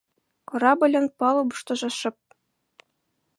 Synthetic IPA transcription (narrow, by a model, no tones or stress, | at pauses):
kɤ̆ɾɑbɤ̆lʲɤ̆npɑlˠɤbuʂt̪ɤ̆ʒɑ̆ʂɤ̆p̚